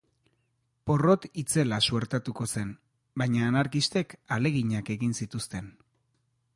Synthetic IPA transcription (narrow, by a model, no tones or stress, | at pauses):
po̞ro̞t̪it͡se̞lasue̞ɾt̪at̪uko̞se̞n | bajɲaːnaɾkist̪e̞kale̞ɣiɲake̞ɣinsit̪ust̪e̞n